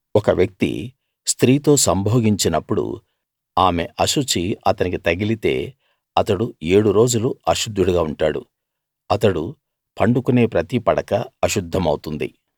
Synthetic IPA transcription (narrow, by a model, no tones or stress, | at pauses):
ɔkɐʋjɐk̚t̪ḭ | st̪ɾiːt̪o̞ːsɐmbʱoːɡiɲt͡ʃinɐpːuɽṵ | aːme̞̰ʔɐʃut͡ʃiɐt̪ɐnikit̪ɐɡilit̪e̞̰ː | ɐt̪ɐɽueːɽuɾo̞ːd͡ʒuluɐʃud̪ʱːuɽuɡaːuɳʈaːɽṵ | ɐt̪ɐɽu | pɐɳɖukune̞ːpɾɐt̪ipɐɽɐkɐɐʃud̪ʱːɐmɐwt̪und̪ḭ